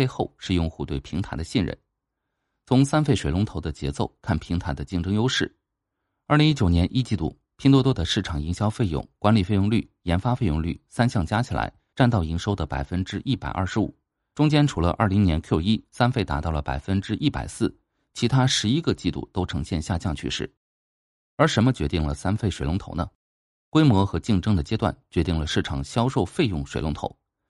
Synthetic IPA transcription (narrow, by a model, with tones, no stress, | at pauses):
e˥˧ɪxo˥˧ʊʂɻ̩˥˧jʊ˥˧ŋxu˥˧t̪we˥˩ɪpʰi˧˥ŋt̪ʰa˧˥ɪd̪ə˧ɕi˥˩nɻə̰˧˩n | t͡sʰʊ˧˥ŋsa˥nfe˥˩ɪʂwe˨˩lʊ˧˥ŋt̪ʰo˧˥ʊd̪ə˧t͡ɕjɛ˧˥t͡so˥˧ʊkʰa˥˩npʰi˧˥ŋt̪ʰa˧˥ɪd̪ə˧t͡ɕi˥˩ŋʈ͡ʂɤ˥ŋjo˥ʊʂɻ̩˥˩˥ | li˧˥ŋi˥t͡ɕjo˨˩ʊnjɛ˧˥nʔi˥t͡ɕi˥˧t̪ṵ˥˩ | pʰi˥nt̪ɔ˥t̪̬wɔ˥d̪ə˨ʂɻ̩˥˩ʈ͡ʂʰɑ˨˩ŋi˧˥ŋɕjɑ˥ʊfe˥˧ɪjʊ̰˥˩ŋkwa˧˥nli˨˩fe˥˧ɪjʊ˥˧ŋly̰˥˩ | jɛ˧˥nfa˥fe˥˧jʊ˥˧ŋly̰˥˩sa˥nɕjɑ˥˩ŋt͡ɕja˥t͡ɕʰi˨˩la̰˧˥ɪ | ʈ͡ʂa˥˧nt̪ɑ˥˩ʊi˧˥ŋʂo˥ʊd̪ə˨˩pa̰˨˩ɪfə˥nʈ͡ʂɻ̩˥ʔi˥˩pa̰˨˩ɪʔɐ̰˞˥˩ʂɻ̩˧˥ṵ˨˩˦ | ʈ͡ʂʊ˥ŋt͡ɕjɛ˥nʈ͡ʂʰu˧˥lə̰˧ʔɐ̰˞˥˩li˧˥ŋnjɛ˧˥nkʰjo˥˩i˥sa˥nfe˥˩ɪt̪a̰˧˥t̪ɑ˥˩lə˩pa̰˨˩ɪfə˥nʈ͡ʂɻ̩˥ʔi˥˩pa̰˨˩ɪsɹ̩˥˩ | t͡ɕʰi˧˥t̪ʰa˥ʂɻ̩˧˥i˥ɡə˧t͡ɕi˥˧t̪ṵ˥˩t̪o˥ʊʈ͡ʂʰɤ˧˥ŋɕjɛ˥˧nɕja˥˧t͡ɕjɑ˥˧ŋt͡ɕʰy̰˥˧ʂɻ̩˥˩ | ə˞˧˥ʂə˧˥nmə˧t͡ɕɥɛ˧˥t̪i˥˩ŋlə˩sa˥nfe˥˩ɪʂwe˨˩ɪlʊ˧˥ŋt̪ʰo˧˥ʊnə˧ | kwe˥ɪmwɔ˧˥xɤ˧˥t͡ɕi˥˩ŋʈ͡ʂɤ˥ŋd̪ə˨t͡ɕjɛ˥t̪wa˥˩nt͡ɕɥɛ˧˥t̪i˥˩ŋlə˩ʂɻ̩˥˩ʈ͡ʂʰɑ˨˩ŋɕjɑ˥ʊʂo˥˧ʊfe˥˧ɪjʊ˥˩ŋʂwe˨˩ɪlʊ˧˥ŋt̪ʰo̰˧˩˦ʊ